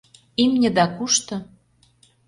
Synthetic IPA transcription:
imnʲə̆d̪ɑkuʃt̪ɤ̆

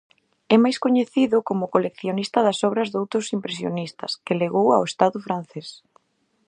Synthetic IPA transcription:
ɛmajskoɲeθiðʊkomʊkolekθjonist̪ɐðɐsɔβɾɐzðowt̪ɾʊsimpɾes̬jo̰nist̪ɐ̰skɪleɣowa̰west̪aðʊfɾan̟θes

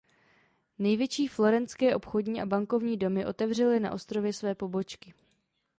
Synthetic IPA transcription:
nɛjvjɛt͡ʃiːflo̞ɾɛnt͡skɛːʔo̞pxo̞dɲiːʔabaŋko̞vɲiːdo̞mɪʔo̞t̪ɛvr̝ɛlɪna̰ʔo̞st̪ɾo̞vjɛsvɛːpo̞bo̞t͡ʃkɪ

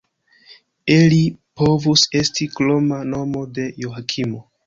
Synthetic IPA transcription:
elipo̞vuse̞stiklomano̞mo̞de̞joakʰimo

